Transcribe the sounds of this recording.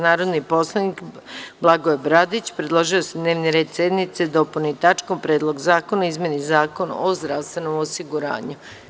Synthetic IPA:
naːɾod̪nipo̞slˠanik | blˠaɡoebɾad̪it͡ɕpɾed̪lˠo̞ʒio̞sed̪ne̞ːʋniɾe̞ːd̪sje̞d̪nit̪sed̪o̞pulnit̪at͡ʃkompɾe̞ːd̪lˠo̞ɡzaːkonaizmje̞nizaːko̞na̰ozd̪ɾaʋst̪ʋe̞no̞mosiɡuɾa̰ːɲu

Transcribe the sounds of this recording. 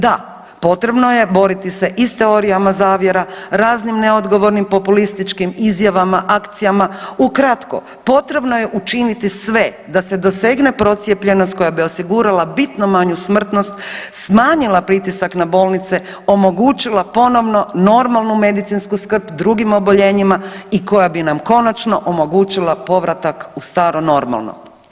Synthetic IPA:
d̪a | po̞t̪ɾe̞bnoje̞bo̞ɾit̪ise̞ʔist̪e̞o̞ɾijamazaːʋje̞ɾaɾaːznimneo̞d̪ɡo̞ʋo̞ɾnimpo̞pulist̪it͡ʃkimizjaʋamaʔakt̪sijamaukɾat̪ko̰ | po̞t̪ɾe̞bno̞je̞ʔut͡ʃinit̪isʋe | d̪ase̞d̪o̞se̞ɡnepɾo̞t̪sjepʎe̞nost̪̚ko̞jabio̞siɡuɾalabit̪nomaɲusmr̩t̪no̞st̪smaːɲilˠapɾit̪isaknabo̞ːlˠnit̪se̞ | o̞mo̞ɡuːt͡ʃilˠapo̞no̞ʋno̞no̞ɾmalˠnume̞d̪it̪sinskuskr̩pd̪ɾuɡimo̞bo̞ʎe̞ːɲimaiko̞jabinamko̞nat͡ʃno̞ʔomo̞ɡuːt͡ʃilˠapo̞ʋɾat̪akust̪aːɾono̞ɾma̰lˠno̰

